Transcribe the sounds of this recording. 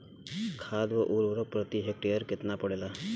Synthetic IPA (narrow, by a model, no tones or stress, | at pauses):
kʰad̪ʋəʔuɾʋɾəpɾət̪iɦek̚ʈejəɾket̪napəɽela